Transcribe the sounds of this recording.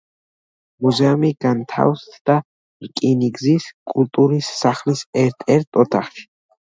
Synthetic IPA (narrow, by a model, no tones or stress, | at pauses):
muzɛumiɡ̥ant̪ʰa̰wst̪ʰd̪̥a | ɾkʼiniɡziskʼult̪ʼuɾisːaχlisɛɾt̪ʰɛɾt̪ʰʼɔt̪ʰaχʃi̥